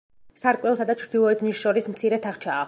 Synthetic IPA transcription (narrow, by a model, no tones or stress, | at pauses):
saɾkʼwɛlˠsad̪at͡ʃʰɾd̪ilˠɔɛt̪ʰnisʃɔɾismt̪sʰiɾɛt̪ʰaχt͡ʃʰaː